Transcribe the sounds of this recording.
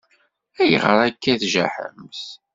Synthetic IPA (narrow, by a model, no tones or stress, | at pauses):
æjə̰ʁəɾˤækːæθʒæ̰ħə̰mθ